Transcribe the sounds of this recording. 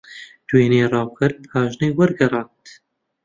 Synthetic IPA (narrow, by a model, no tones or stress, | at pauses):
d̪̥weːneːrˤɑːwkʰɨɾ̚phɑːʒneːwɐɾɡɐɾˤɑːnt̪